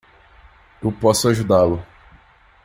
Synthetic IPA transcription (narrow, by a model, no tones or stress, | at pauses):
ewpɔsʊaʒud̪alʊ